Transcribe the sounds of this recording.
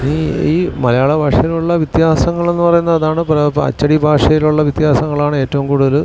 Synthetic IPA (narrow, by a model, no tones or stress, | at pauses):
niːiːmɐlɐjaːɭebʱaːʂɐjiluɭːɐʋit̪jaːsɐŋːɐɭe̞nːɨpɐrɐjunːɐɐðaːɳɨpɐɐ̰t͡ɕːɐɽibʱaːʂɐjiluɭːɐʋit̪jaːsɐŋːɐɭaːɳɨe̞ːtːɐʋumkuːɽuðɐl